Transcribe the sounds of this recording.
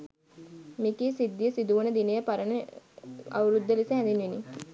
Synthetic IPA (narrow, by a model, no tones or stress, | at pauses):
mikiːsid̪ːijəsid̪uʋənəd̪inəjəpaɾənə | a̰ʋuɾud̪ːəlisəɦænd̪inʋini